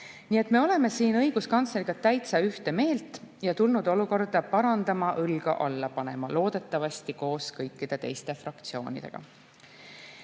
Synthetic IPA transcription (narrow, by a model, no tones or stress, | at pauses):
nie̞t̪ˑme̞o̞le̞me̞siːnɤ̞jɡ̥uskɑnt̪sleɾiɡ̥ɑt̪æjt̪sɑyht̪e̞me̞ːlt̪ˑjɑt̪ulnud̪̥o̞luko̞rd̪̥ɑpɑɾɑnd̪̥ɑmɑʔɯlɡ̥ɑ̰ʔɑlːɑpɑne̞mɑlo̞ːd̪̥e̞t̪ːˑɑvɑst̪iko̞ːskɤjkːid̪̥e̞t̪e̞̰jst̪e̞frɑkt̪sio̞ːnʲḭd̪̥e̞̰ɡ̥ɑ̰